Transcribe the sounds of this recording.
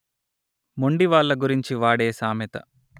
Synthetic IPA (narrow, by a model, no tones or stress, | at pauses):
moɳɖiʋaːɭːɐɡuɾiɲt͡ʃiʋaːɽeːsaːmet̪ɐ̰